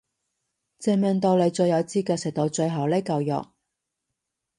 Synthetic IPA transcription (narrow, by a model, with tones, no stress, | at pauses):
t͡sɛ˧mœː˨˧ŋt̪o˧wle˨˧t͡ʃɵ˧ɥjɐ˨˧wt͡siː˥kɛː˧sɛ˨k̚t̪o˨˧wt͡ʃɵ˧ɥɦɐ˨˥wle˥kɐ˧wjɔ̰˨k̚